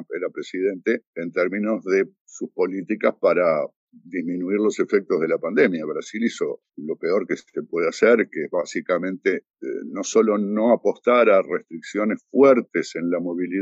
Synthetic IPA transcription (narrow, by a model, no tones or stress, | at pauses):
peɾapɾesiðẽ̞nt̪eːnt̪ɛɾmino̞zðe̞ | suspo̞lit̪ikaspaɾa | d̪izminuiɾlo̞se̞fek̚t̪oɦðelapand̪emjaβɾasiliso̞ | lo̞peo̞ɾkesepwe̞ðeaseɾkeeβasikamẽ̞nt̪e | ḛno̞so̞lo̞no̞apo̞ht̪aɾarest̪ɾiksjo̞nesfwɛɾt̪ese̞nlamo̞βili